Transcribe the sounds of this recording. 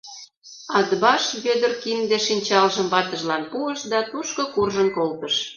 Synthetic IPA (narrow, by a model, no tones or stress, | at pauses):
ɑd̪bɑʃβød̪ərkind̪eʃinʲt͡ɕɑlʒəmβɑt̪əʒlɑnpuəʃd̪ɑt̪uʃkokurʒənkolt̪əʃ